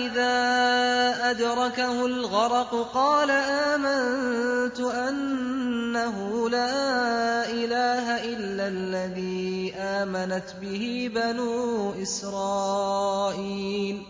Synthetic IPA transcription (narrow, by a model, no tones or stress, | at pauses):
ʔɪðaː | ʔad̪ɾˤɑkahʊlɣɑɾˤɑqʊqɑːlaʔaːmant̪ʊʔanː | aɦʊlaːʔɪlaːɦaʔɪlːalːaðiːʔaːmanat̪bɪhɪbanuːʔɪsɾˤɑː | ʔiːl